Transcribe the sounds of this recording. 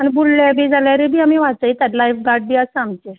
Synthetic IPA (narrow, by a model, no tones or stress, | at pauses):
añibulljabʱiːd͡zʱaljaɾebʱiːamiʋat̪t͡sait̪at̪lajfɡaɖ̚bʱiːəsəamt͡ɕe